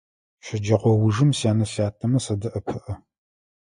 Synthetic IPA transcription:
ɕɪd͡ʒɐqʷɔwʊʒɨmsaːnɐɬaːtʰʼːɐmɐsɐdɐʔɐpʰɨʔɐ

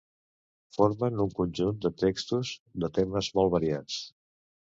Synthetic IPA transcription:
foɾmənuŋkunʲʒund̪ət̪ekst̪uzd̪ət̪eməzmɔlˠβəɾiat͡s

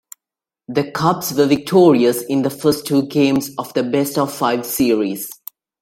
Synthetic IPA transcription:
d̪əkʰʌpsʋəʋɪk̚ʈʰɔːɹiəsɪ̃nd̪əfəːsʈʰːuːɡẽːmzɔfd̪əbɛstɔvfaɪʋsiəɹiz̥

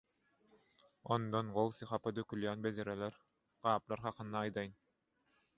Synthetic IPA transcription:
ɔnd̪ɔnʁɔlˠsiχapad̪œkyljaːnbɛzɛɾɛlɛɾ | ʁ̥ɑːplˠaɾχɑqɯ̆nːaːjd̪ajɯn

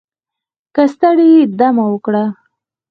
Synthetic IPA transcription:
kast̪aɽid̪amawəkɽa

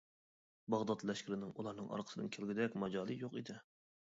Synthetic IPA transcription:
bɑʁd̪ɑt̪lɛʃkʲiɾɪnɪŋulˠɑɾnɨŋɑ̰ɾqʰə̥ɨd̪ɨ̰nkʲʰelɡʲid̪ɛkʲmɑd͡ʒɑːlˠijoqid̪ɪ

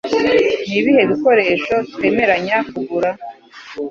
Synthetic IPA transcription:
niβihe̞βiko̞ɾe̞ːʃo̞tkwe̞ːme̞ɾaɲakuɡuɾa

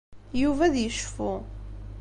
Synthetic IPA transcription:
juvæðjəʃfu

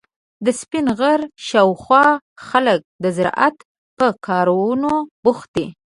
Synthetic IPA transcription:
d̪əspɪnɣəɾʃɑwxwɑ | xalək̚d̪əzɪɾɑ̰ʔat̪ | pəkʰɑɾawnobʊxt̪̚i

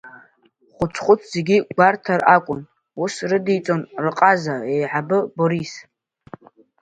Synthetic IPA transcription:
χʷʊt͡sʰχʷʊt͡sʰz̥e̞ɡʲiɡʷartʰarakʷʼʊn | usrɨdijt͡sʼonrɨqʼazaejʕabɨboɾis

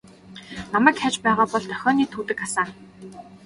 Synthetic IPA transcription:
namæːkxæt͡ɕpæːʁaːpɔɮt̪ʰœxʲɔːniːt̪ʰuːt̪ɘ̆kasaː

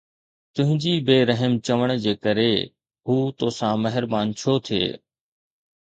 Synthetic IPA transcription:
t̪ʊ̃ɦɪ̃ɲd͡ʑibeːɾəɦəmt͡ɕɐʋəɽ̃d͡ʑeːkəɾe | ɦuːt̪oːsãmɐɦɪɾbaːnt͡ɕʰoːt̪ʰiḛː

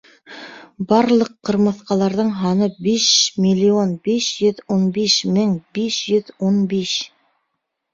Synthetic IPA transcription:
bɑɾlˠɤqːɤ̆ɾmɤ̆θqɑlˠɑɾðɤɴɦɑnɤbiʃmʲilʲːionbiʃjɵðunbiʃmɘŋbiʃjɵðunbiʃ

